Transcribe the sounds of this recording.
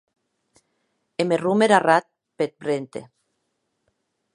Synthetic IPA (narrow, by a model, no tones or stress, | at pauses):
emerumeɾarat̪̚ | pet̪̚pɾent̪ḛ